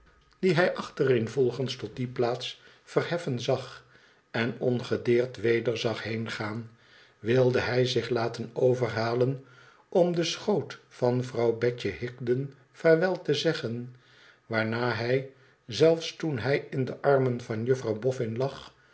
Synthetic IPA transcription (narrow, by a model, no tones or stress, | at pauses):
d̥iɦɛjʔɑχtərɪnvɔlˠχənstɔt̚diplaːts | fərɦɛfənzɑχ | ɛnɔnχədɪːɹtʋejdəɹzɑχɦejnχaːn | ʋɪlˠdəɦɛjzɪχlaːtənowvərɦaːlən | ʔɔmdəsχowtfɑnvrɑwbɛcəɦɪkdən | fɛɹʋɛlˠtəzɛχən | ʋaːɹnaːɦɛj | zɛlˠfstunɦɛjɪndəʔɑrmənvɑnjɵfrɑwbɔfɪnlɑχ